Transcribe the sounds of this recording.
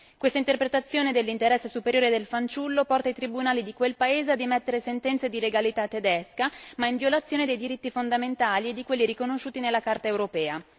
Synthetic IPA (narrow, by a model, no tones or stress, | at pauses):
kwest̪aint̪erpɾet̪at̪sːjoːned̪elːint̪eɾɛsːesupeɾjoːɾed̪elfant͡ʃulːopɔrt̪ajt̪ɾibunaːlid̪ikwelpaeːzead̪ːimet̪ːeɾesent̪ɛnt̪sed̪ileɡalit̪at̪ːed̪ɛskamaiɱviolat̪sːjoːned̪ejd̪iɾit̪ːifond̪ament̪aːlied̪ːikwelːiɾikonoʃːuːt̪inelːakart̪aewɾopɛːa